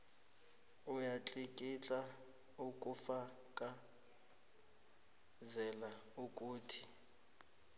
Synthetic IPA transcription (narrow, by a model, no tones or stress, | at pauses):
ujat͡ɬʼikʼit͡ɬʼa | ukʼufa | kʼa | zɛla | ukʼuːtʰi